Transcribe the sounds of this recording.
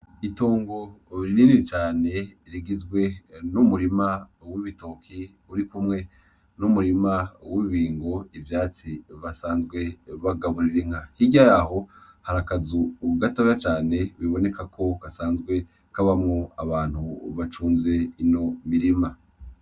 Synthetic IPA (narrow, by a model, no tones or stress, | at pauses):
itoːŋɡo̞ɾininit͡ʃaːne̞ɾiɡizɡwe̞numuɾimawiβito̞kʰi | uɾikumŋe̞ | numuɾimawiβiːŋɡo̞ivjaːt͡siβasaːnzɡwe̞βaɡaβuɾiɾiŋ̥ahiɟajaho̞ | haɾakazuɡatoɾat͡ʃaːne̞βiβo̞ne̞kʰakʰo̞kasaːnzɡwe̞ | kaβamŋoaβaːn̥huβat͡ʃuːnze̞ino̞miɾima